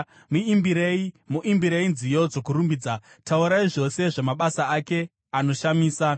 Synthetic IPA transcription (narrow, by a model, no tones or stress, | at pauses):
muibiɾeimuʔimbiɾeinzijo̞d͡zo̞kuɾumbid͡za | tʰauɾaiʐo̞se̞ʐamaɓasaake̞ | ano̞ʃamiːsa